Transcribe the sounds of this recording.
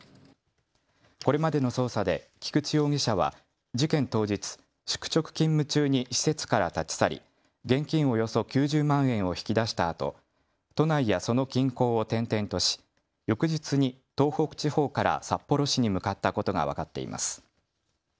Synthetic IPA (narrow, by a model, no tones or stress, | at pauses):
ko̞ɾe̞mad̪e̞no̞so̞ːsad̪e̞kʲi̥kɯ̟t͡ɕijo̞ːɡʲiɕaβ̞a̰ | d͡ʑikẽ̞nt̪o̞ːd͡ʑit͡sɨ̥ | ɕɨ̥kɯ̥t͡ɕo̞kɯ̟̥kʲĩmːɯ̟t͡ɕɨːɲ̟iɕi̥se̞t͡sɨ̥kaɾat̪at͡ɕi̥saɾʲḭ | ɡẽ̞ŋkʲĩɰ̃o̞jo̞so̞kʲɨːʑɨːmãɰ̃ẽ̞ɰ̃o̞çi̥kʲid̪aɕi̥t̪aːt̪o̞̰ | t̪o̞naijaso̞no̞kʲĩŋko̞ːot̪ẽ̞nt̪ẽ̞nt̪o̞ɕi̥ | jo̞kɯ̟ʑit͡sɨɲ̟it̪o̞ːho̞kɯ̟̥t͡ɕiho̞ːkaɾa̰sapːo̞ɾo̞ɕiɲ̟imɯ̟kat̪ːako̞t̪o̞ɡa̰βa̰kat̪ːe̞̰ḭma̰sɨ̥